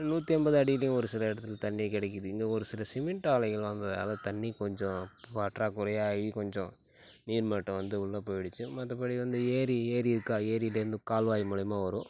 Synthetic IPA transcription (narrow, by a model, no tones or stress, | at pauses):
nuːt̪ːiɛmbɐðɯɐɽɪjɐlɐjʊ̃ɔɾɯsɪlɐɪɽɐt̪ːɪlt̪ɐnːijkɪɽɛkːɯðɯɪŋɡeɔɾɯsɪlɐsɪmɪɳʈaːlɐɪɣɐɭʋɐnd̪ɐðɐna̰ːðɐt̪ɐɳːikɔɲd͡ʒɔ̃ɐʈɾaːkʊɾɐjaɐʋikɔɲd͡ʒɔ̃ | niːɾmaːʈːɯ̃ʋɐnd̪ɯʊɭːɐpoːjɪɽɯt͡ʃːɯmɐðːɐpːɐɽiʋɐnd̪ɯeːɾieːɾiɪɾɯkːaːeːɾiɪleɾɯnd̪ɯkaːlʋaːjmʊlɐjmaːʋɐɾʊ̃